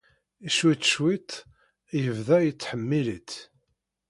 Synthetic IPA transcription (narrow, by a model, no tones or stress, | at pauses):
iʃwit̪ʃwit̪ | jəvðæjət͡sːħəmːilit̪